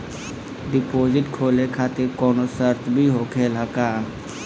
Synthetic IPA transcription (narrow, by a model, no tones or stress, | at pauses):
ɖɪpoːzɪʈkʰoːlekʰaːt̪ɪɾkoːnosəɾt͡ʃbʱiɦoːkʰeːlakaː